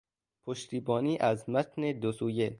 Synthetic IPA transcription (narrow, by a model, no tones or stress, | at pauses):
pʰoʃt̪ʰiːbɒːniːʔæzmæt̪ʰned̪osuːje